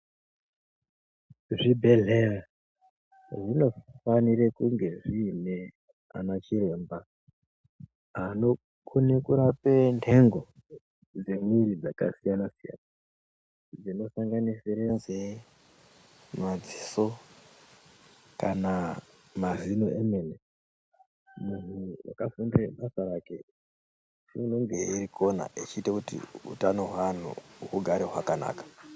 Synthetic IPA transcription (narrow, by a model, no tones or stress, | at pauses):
ʐibʱe̞ɮe̞ra | ʐino̞faniɾekuŋɡe̞ʐiːne̞ | a̰nat͡ʃiɾe̞ːmba | ɦano | kʰunekuɾapentʰe̞ŋɡo̞ | d͡ze̞mwiɾid͡zaka̰sijanasija̰ːna | d͡zino̞saŋɡanisiɾenze | mad͡ziso̞ | kana | mazinoemene | munuwa̰kafundireɓasaɾake̞ | ʐino̞ŋɡe̞iɾikʰo̞na̰ʔit͡ʃiːtakutḭṵtano̞ɦwan̤ṵukuɡʱaɾeɦwakana̰ːkḁ